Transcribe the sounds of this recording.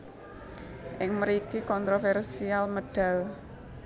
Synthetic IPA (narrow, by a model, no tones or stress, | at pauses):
ʔɪŋməɾikikɔnt̪ɾofɛrsialməɖ̥a̤l